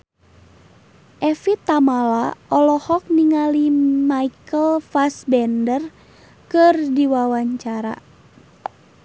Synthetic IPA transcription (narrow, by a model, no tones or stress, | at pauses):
ʔɛfit̪ːamalaʔɔlɔhɔk̚niŋalimaikəlfasbɛndər | kɨrdiwawaɲt͡ʃaɾa̰